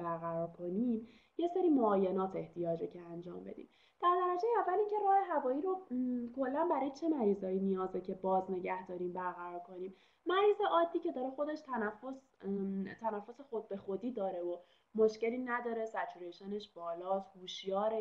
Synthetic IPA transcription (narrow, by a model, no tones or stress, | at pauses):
bæɾɣæɾɒːɾkʰo̞niːm | je̞seɾiːmoɒːje̞nɒːt̪ʰe̞ht̪ʰijɒːd͡ʒecʰeænd͡ʒɒ̰ːmbed̪ḭːm | d̪̥æɾd̪æɾæd͡ʒejeævːæliːŋcʰe̞ɾɒːhe̞ɦævɒːjiːɾokʰo̞lːænbæɾɒːjet͡ʃʰe̞mæɾiːzhɒːjinijɒːzecʰebɒːzne̞ɟæhd̪ɒːɾiːmbæɾɣæɾɒːɾkʰo̞niːm | mæɾiːzeʔɒːd̪ːiːce̞d̪ɒːɾexo̞d̪e̞ʃt̪ʰænæfːos | t̪ʰænæfːosexod̪̚be̞xod̪iːd̪ɒːɾe̞o | moʃce̞liːnæd̪ɒːɾesæt͡ʃʰuɾeʃeneʃb̥ɒːlɒːshuːʃjɒːɾe